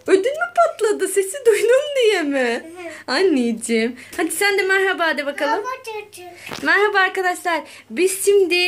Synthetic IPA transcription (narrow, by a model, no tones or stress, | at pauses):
ød̪ynmipʰat̪lˠad̪ɯsesid̪ujnumd̪ijemɪanːid͡ʒimhad͡ʒ̪isænd̪ɛmaɾɦabaːd̪ɛbakalˠɯm | maɾɦabaːɾkad̪aʃlˠaɾ | bisʃimd̪i